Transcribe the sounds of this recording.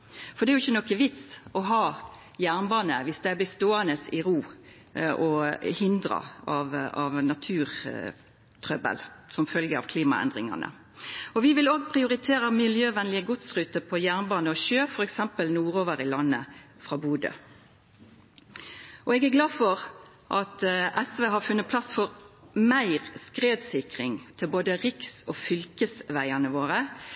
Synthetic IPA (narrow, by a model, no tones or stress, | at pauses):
fɔd̪ɛæɾjʊɪçːənɔkːəʋɪt̪sɔɦɑː | jæʁnbɑːnəʋɪsd̪æɪblɪst̪oːənəsɪʁuː | ʔɔhɪnd̪ɾɑ̰ɑʋɑʋnɑt̪ʰʉːʁ | t̪ʰʁœbə̰lsɔmfœlɡəɑ̰ʋkʰliːmɑɛ̰nd̪ʁɪŋɑ̰nə̰ | ɔʋɪʋɪloːɡ̚pʰʁɪʊɾɪt̪ʰeːʁəmɪljøːʋɛnlɪəɡʊt̪sʁʉːt̪əpʰɔjæʁnbɑːnəɔʃøːfɔʁɛksɛmpəlnuːʁoːʋəʁɪlɑnːə̰ | fʁɑːbuːd̪ə̰ | ʔɔɛːɡæɾɡlɑːd̪fɔʁ | ʔɑt̪ɛsʋeːɦɑʁfʉnːət̪̚pʰlɑsfɔʁmæɪʁskʁeːd̪sɪkʁɪŋt̪ʰɪlboːd̪əʁɪksɔːfʏlkəsʋæɪənəʋoːʁə